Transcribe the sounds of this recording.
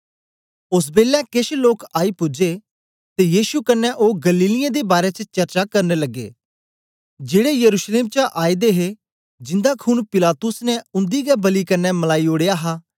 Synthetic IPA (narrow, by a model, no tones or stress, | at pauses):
ʊs̬beːlɛkeʃloːkaːipʊd͡ʒe | t̪ejiːʃukɐnːɛʔoːɡɐliːlɪjãd̪ebaːɾɛt͡ʃət͡ʃɐɾt͡ʃakɐɾnelɐɡːḛː | d͡ʒeːɽejɐɾuːʃleːmt͡ʃaʔaːid̪eɦe | d͡ʒɪ̃nd̪akʰʊnpɪlaːt̪ʊsnɛʊ̃nd̪iɡɛbɐlikɐnːɛmɐlaːioːɽejaɦaː